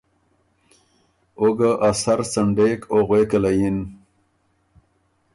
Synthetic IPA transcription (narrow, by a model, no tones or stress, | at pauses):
oɡaʔasaɾsaɳɖekoɣweːkalajin